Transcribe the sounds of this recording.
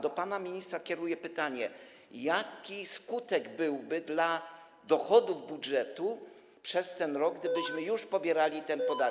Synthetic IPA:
d̪ɔpanamʲiɲist̪ɾakʲjɛɾujɛpɘt̪aɲɛ | jakʲiskut̪ɛɡbɘwbɘd̪la | d̪ɔxɔd̪uvbudʐɛt̪u | pʂɛst̪ɛnɾɔɡ̚ɡd̪ɘbɘɕmɘjuʂpɔbʲjɛɾalʲit̪ɛnpɔd̪a

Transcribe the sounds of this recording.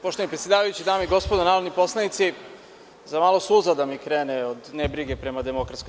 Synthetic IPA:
poʃt̪oanipɾet̪sje̞d̪aːʋajut͡ɕid̪aːmoiɡo̞spod̪onaːɾod̪nipo̞slˠajit̪si | zamaːlˠo̞suzad̪amikɾeːneod̪nebɾiɡepɾe̞mad̪emo̞kɾat̪sko

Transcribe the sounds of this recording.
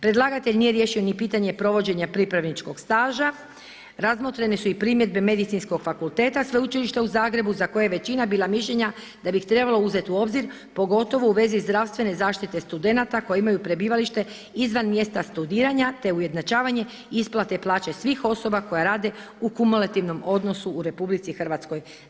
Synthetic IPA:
pɾe̞d̪lˠaɡat̪eʎʲnije̞ɾje̞ʃio̞nipiːt̪aɲe̞pɾo̞ʋo̞d͡ʑe̞ɲapɾipɾaʋnit͡ʃko̞ɡ̥st̪aːʒa | ɾazmo̞t̪ɾenesuipɾimje̞d̪be̞me̞d̪it̪sinsko̞ɡ̥fakulˠt̪e̞ːt̪asʋeut͡ʃiliʃt̪euzaːɡɾe̞buzako̞jajeʋe̞t͡ɕinabiːlˠamiʃʎe̞ɲa | d̪̥abixt̪ɾe̞balˠo̞uze̞t̪uo̞bziɾ | po̞ɡo̞t̪o̞ʋouʋe̞zizd̪ɾaʋst̪ʋe̞ne̞zaːʃt̪it̪e̞st̪ud̪e̞nat̪ako̞jeimajupɾe̞biːʋaliʃt̪e̞ | izʋanmje̞st̪ast̪ud̪iːɾaɲat̪e̞uje̞d̪nat͡ʃaːʋaɲe̞ | isplˠat̪e̞plˠaːt͡ɕe̞sʋixo̞so̞bako̞jaɾaːd̪e̞ | ukumulˠat̪iʋno̞mo̞d̪no̞suːɾe̞publit̪sixrʋat̪sko̞j

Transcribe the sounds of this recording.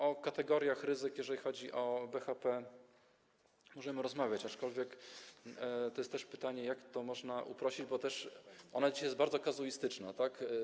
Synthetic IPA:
ɔkat̪ɛɡɔɾʲjaxɾɘzɘkjɛʐɛlʲixɔd͡ʑiʔɔbɛxapɛ | mɔʐɛmɘɾɔzmavʲjat͡ɕat͡ʂkɔlvʲjɛk | t̪ɔjɛst̪ːɛʂpɘ̥t̪aɲɛjakt̪ɔmɔʐnaʔṵpɾɔɕid͡ʑbɔt̪ɛʂʔɔnad͡ʑiɕajɛsbaɾdzɔkazuist̪ɘt͡ʂnat̪ak

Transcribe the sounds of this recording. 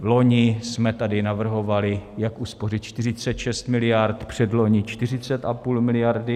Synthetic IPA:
vlo̞ɲɪsmɛt̪adɪnavr̩ɦo̞valɪjakʔusporɪt̪̚t͡ʃt̪ɪrɪt͡sɛt̪ʃɛst̪mɪlɪjaɾt̪pr̝̥ɛdlo̞ɲɪt͡ʃt̪ɪr̝ɪt͡sɛt̪ʔapuːlmɪlɪjaɾdɪ

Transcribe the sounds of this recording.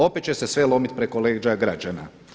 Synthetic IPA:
o̞pet̪t͡ɕe̞se̞sʋelo̞mit̪pɾekoleːd͡ʒaɡɾad͡ʑana̰

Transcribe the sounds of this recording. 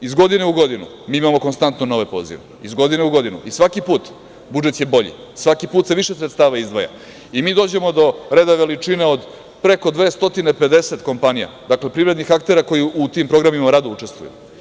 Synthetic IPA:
izɡo̞d̪ineuɡo̞d̪inṵ | miːimamo̞konst̪ant̪nono̞ʋe̞po̞ːzḭʋeizɡo̞d̪ineuɡo̞d̪inṵisʋakipuːt̪ | bud͡ʒet̪je̞bo̞ʎḭ | sʋakipuːt̪seʋiʃesɾet̪st̪aːʋaizd̪ʋaja̰ | imiːd̪o̞ːd͡ʑe̞mo̞d̪o̞ɾe̞d̪aʋe̞lit͡ʂine̞od̪ | pɾe̞ko̞d̪ʋe̞ːst̪o̞t̪inepe̞d̪e̞se̞t̪ko̞mpanija̰d̪akle̞pɾivɾed̪nixakt̪e̞ɾako̞jiʔut̪iːmpɾo̞ɡɾamimaɾad̪out͡ʂe̞st̪ʋṵjṵ

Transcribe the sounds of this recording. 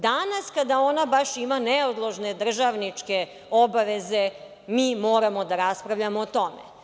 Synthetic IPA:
d̪anaskad̪ao̞nabaʃimaneod̪lˠoʒned̪r̩ʒaʋnit͡ʂke | obaʋe̞ze | miːmoːɾamo̞d̪aɾaspɾavʎamoːt̪o̞mḛ

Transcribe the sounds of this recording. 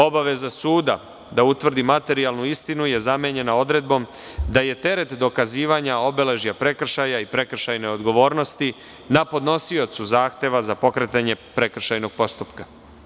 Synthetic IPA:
o̞baʋe̞zasuːd̪a | d̪aut̪ʋr̩d̪imat̪e̞ɾialnuist̪inuje̞zameɲe̞nao̞d̪ɾe̞d̪bo̞m | d̪aje̞t̪e̞ɾe̞t̪d̪o̞kaziːʋaɲao̞be̞le̞ʒjapɾe̞kr̩ʃajaipɾe̞kr̩ʃajne̞o̞d̪ɡo̞ʋo̞ːɾno̞st̪i | napo̞d̪no̞sio̞t̪suzaːxt̪e̞ʋazapo̞kɾe̞t̪aɲe̞pɾe̞kr̩ʃajno̞ɡ̚po̞st̪upka

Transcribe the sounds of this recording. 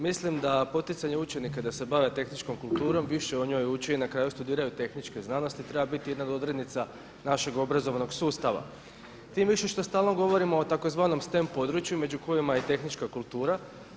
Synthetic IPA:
mislimd̪apo̞t̪it̪saɲe̞ut͡ʃe̞nikad̪ase̞baʋe̞t̪e̞xnit͡ʃko̞mkulˠt̪uːɾo̞mʋiʃe̞oɲo̞ːjut͡ʃeinakɾaːjust̪ud̪iːɾajut̪e̞xnit͡ʃke̞znanost̪it̪ɾe̞babit̪ijed̪nad̪od̪ɾe̞d̪nit̪sa | naʃe̞ɡo̞bɾazo̞ʋano̞ɡsuːst̪aʋa̰ | t̪iːmʋiʃe̞ʃt̪o̞st̪aːlˠno̞ɡo̞ʋo̞ɾimo̞ːt̪ako̞zʋaːno̞mst̪e̞mpo̞d̪ɾut͡ʃjume̞d͡ʑuko̞jimajet̪e̞xnit͡ʃkakulˠt̪uːɾa

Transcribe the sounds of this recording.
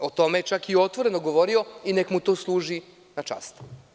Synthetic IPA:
ot̪o̞met͡ʃakio̞t̪ʋo̞ɾe̞noɡo̞ʋo̞ɾio̞inekmut̪o̞ːslˠuːʒi | nat͡ʃa̰st̪

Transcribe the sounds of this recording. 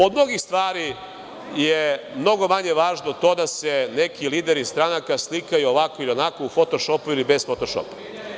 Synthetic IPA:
od̪mno̞ɡist̪ʋaːɾi | je | mno̞ɡo̞maɲe̞ʋaːʒnot̪o̞ːd̪ase̞ne̞kiliːd̪eɾist̪ɾanakaslikajuoʋako̞ilionakoufo̞t̪o̞ʃopuilibezfot̪oʃo̰pḁ

